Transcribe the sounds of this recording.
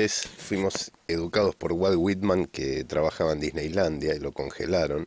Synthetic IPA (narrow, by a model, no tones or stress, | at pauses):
esfwimo̞seðukaðo̞spo̞ɾɣwaðɣwit̪mãŋket̪ɾaβaxaβaend̪iznejland̪jailo̞ko̞ŋxḛlaɾo̞n